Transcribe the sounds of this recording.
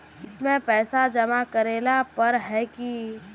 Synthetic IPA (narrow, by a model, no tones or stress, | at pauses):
ɪsmẽpɛːsad͡ʒɐmakɐɾeːlapɐɾɦɛki